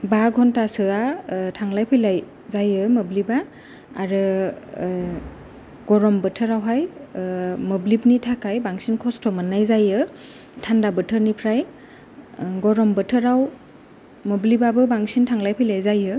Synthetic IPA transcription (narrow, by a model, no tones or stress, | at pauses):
baɡʱɔntasɯatʰaŋlajpʰɯjlaj | zajɯməblibaː | ɾɯ | ɡ̥ɔɾɔmbətʰɯɾawɦaj | məblipnitʰakajbaŋsinkʰɔstʰɔmɯnːajzajɯ | tʰandabɯtʰəɾnipʰɾaj | ɡɔɾɔmbɯtʰɯɾaw | məblibabɯbaŋsintʰaŋlajpʰɯjlajzajɯ